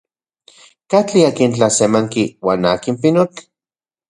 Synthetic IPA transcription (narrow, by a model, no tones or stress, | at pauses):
kat͡ɬiakint͡ɬasemaŋkiwaːnaːkimpinot͡ɬ